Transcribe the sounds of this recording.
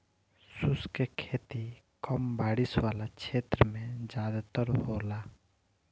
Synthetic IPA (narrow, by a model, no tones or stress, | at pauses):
sʊskekʰeːt̪i | kɔmbaːɽɪswaːlakt͡ʃʰeːt̪ɾəmẽd͡ʒaːd̪t̪əɾɦoːlaː